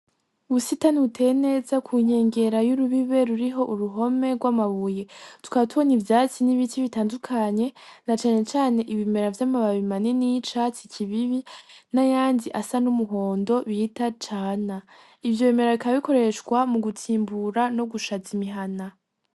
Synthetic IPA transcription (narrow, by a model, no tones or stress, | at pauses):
uβusitaniutʰe̞jene̞ːzakʰuɲe̞ːŋɡe̞ɾajuɾuβiβe̞ɾuɾiɦo̞ʔuɾuɦo̞me̞ɡwaːmaβuje̞tu̥kaβatuβonivjaːt͡siniβitiβitaːndukʰaɲe̞nat͡ʃaːne̞t͡ʃaːne̞ʔiβime̞ɾavjaːmaβaβimaninit͡ʃat͡sicʰiβiβinajaːndiʔasanumuɦo̞ːndo̞βiːtat͡ʃaːna | ivjo̞βeme̞ɾaβikaβaβiko̞ɾe̞ʃkwamuɡutʰiːmbuɾano̞ɡuʃazimiɦana